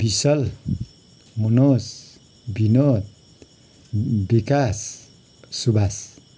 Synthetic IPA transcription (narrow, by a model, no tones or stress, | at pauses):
b̥isʌl | munos | binot̪̚ | bikasː | ubas